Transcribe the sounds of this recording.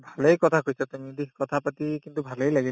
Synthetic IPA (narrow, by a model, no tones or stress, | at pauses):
bʱalejkɔt̪ʰakujsɔt̪umid̪iɦkɔt̪ʰapat̪ikint̪ubʱalejlaɡi